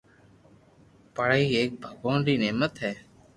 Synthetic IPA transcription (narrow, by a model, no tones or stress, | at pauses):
pəɽəiːeːk̚bʱəboːnɾiːneːmət̪ɦɛː